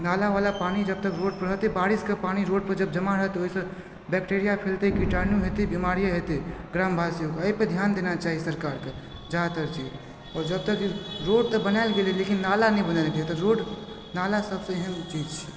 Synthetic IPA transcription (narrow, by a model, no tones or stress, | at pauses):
nalaʋalapañid͡ʒəb̚t̪əkɾoɖ̚pəɾɦət̪ebaɾiskepañiɾoɖpəɾd͡ʒəb̚d͡ʒəmaɾəɦt̪oɦisə̃ | bɛkʈeɾijapʰelt̪eikiʈaɾnjuɦet̪ebimaɾijaɦet̪eɡɾambʱasiokeəiped̪ʱjand̪enat͡ʃaːɦisəɾkaɾke | d͡ʒat̪əɾt͡ʃi | ɔːɾd͡ʒəb̚t̪əkiɾoɖt̪əbənaɪlɡelelekinːalanɛbənaɪlɡelt̪ɔɾoɖ | nalasəbsə̃eɦənt͡ʃiid͡ʒt͡ʃʰi̥